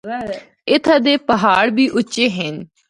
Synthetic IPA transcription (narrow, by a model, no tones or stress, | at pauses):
ɪt̪ʰaːd̪eːpəɦaːɽbiːʔʊt͡ʃeːɦen